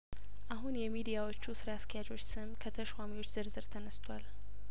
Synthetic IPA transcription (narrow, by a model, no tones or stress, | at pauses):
ʔaɦunjɛmid̪ijawot͡ʃːusɨɾaaskʰəjad͡ʒo̞t͡ʃːsɨmkʰət̪ʰəʃwamiwo̞t͡ʃːz̥ɨɾzɨɾt̪ʰənəst̪ʰwal